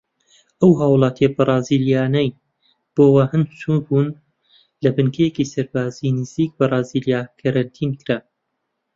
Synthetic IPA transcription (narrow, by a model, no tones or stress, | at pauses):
ɐwɦaːwlˠɑːt̪ʰijɐbɨrˤɑːziːljaːnɐj | b̥oːwahɨnsubuːn | lɐbɨnkʰɐjecisɐɾbaːzinɨziːk̚bɐrˤɑːzilijaːkʰɐɾɐnt̪ʰiːnkʰɾa